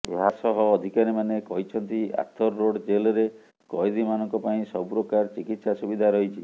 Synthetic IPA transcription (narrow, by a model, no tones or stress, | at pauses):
ḛɦasɔɦɔːd̪ʱikaɾimanekɔɦit͡ʃʰɔnt̪ia̰t̪ʰɔɾːoɽd͡ʒelɔɾe | kɔjd̪imanɔŋkɔpaĩsɔbuɾɔkaɾt͡ʃikit̪sasubid̪ʱaɾɔɦit͡ʃʰi